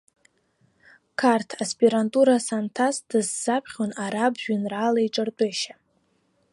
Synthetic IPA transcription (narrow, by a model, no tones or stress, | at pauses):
kʰartʰaspʰʼiɾantʼuɾasantʰasd̥ɨzːapʰχʲonaɾabʒᶣʏnraːlaiʈ͡ʂʼɨrtʼeʃa